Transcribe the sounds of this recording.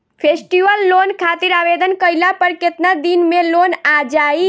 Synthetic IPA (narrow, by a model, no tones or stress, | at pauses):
pʰesʈiʋəlːonkʰat̪iɾabed̪ənkəjlapəɾket̪nad̪inmelonad͡ʒai